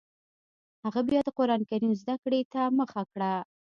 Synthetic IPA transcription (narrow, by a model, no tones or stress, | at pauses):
haɣabjɑd̪əqoɾɑnkaɾinozd̪akɽet̪aməxakɽa